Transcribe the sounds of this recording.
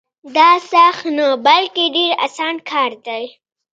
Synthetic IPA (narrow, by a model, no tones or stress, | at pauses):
d̪ɑsaxnabalkeɖeɾa̰sɑnkʰɑɾd̪aj